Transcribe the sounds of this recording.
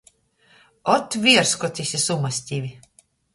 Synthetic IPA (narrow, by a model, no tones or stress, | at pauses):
ɔt̪vʲiɛɾskɔt̪ʲisʲisumasʲt̪ʲivʲi